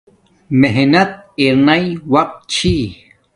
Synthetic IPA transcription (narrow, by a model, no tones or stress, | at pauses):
meɦnat̪̚iɾnajwaq̚t͡ʃʰi